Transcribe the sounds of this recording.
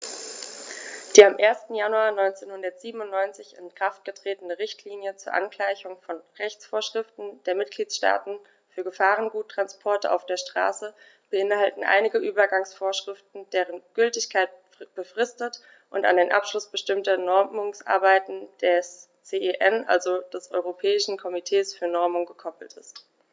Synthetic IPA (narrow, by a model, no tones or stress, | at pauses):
d̥iːamʔeːɐstn̩januaːnɔʏnt͡seːnhʊndɐtz̥iːbən̩ʊntnɔʏnt͡sɪçɪ̰nkʁ̥aft̚ɡ̥ətʁ̥eːtənəʁɪçtʰliːnjət͡suːɐʔa̰nkl̥aɪçʊŋfɔnʁɛçt͡sfoːɐʃʁ̥ɪftn̩d̥eːɐmɪt̚ɡ̥liːtʃta̰ːtn̩ | fyːɐɡəfaːʁənɡuːtːʁ̥anspʰɔɐtəʔa̰ʊfd̥eːɐʃtʁ̥a̰ːsə | b̥əʔɪnhaltn̩ʔa̰ɪnɪɡəʔyːbɐɡaŋsfoːɐʃʁ̥ɪftn̩d̥eːʁənɡ̥ʏltɪçkʰaɪt | b̥əfʁ̥ɪstət | ʔʊnta̰ndeːnʔa̰pʃlʊsb̥əʃtɪmtɐnɔɐmʊŋsʔa̰ɐbaɪtn̩d̥ɛs | t͡seʔeʔɛnʔa̰lzod̥ɛsʔɔ̰ʏʁopʰɛːɪʃn̩kʰɔmitʰeːsfyːɐnɔɐmʊŋɡəkʰɔpl̩tɪ̰st